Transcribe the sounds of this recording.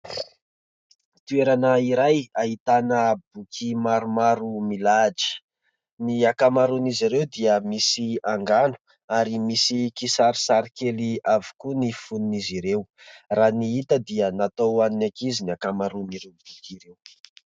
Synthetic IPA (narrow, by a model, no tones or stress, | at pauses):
t̪ueɾanəiɾajaɦit̪anəbukʰimaɾumaɾumilad͡ʒi̥ | niakamaɾuniziɾewd̪iəmisiaŋɡanu̥ | aɾimisikisaɾisaɾikeliavi̥kunifununiziɾewraniit̪əd̪iənat̪owaninakiziniakamaɾuniɾewbukiɾew